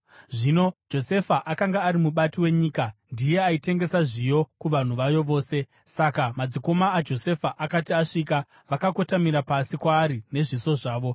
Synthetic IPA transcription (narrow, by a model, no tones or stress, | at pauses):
ʐino̞d͡ʒo̞se̞faʔakaŋɡaːɾimuɓatiwe̞ɲiːkandije̞aite̞ŋɡe̞saʐijo̞kuʋan̤uʋajo̞ʋo̞ːse̞ | sakamad͡ziko̞maːd͡ʒo̞se̞faʔakatiaʂika | ʋakako̞tamiɾapasikwaːɾine̞ʐiso̞ʐaːʋo̞